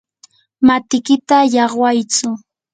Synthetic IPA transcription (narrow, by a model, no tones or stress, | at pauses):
mat̪ɪkɪt̪ajɑχwajt͡sʊ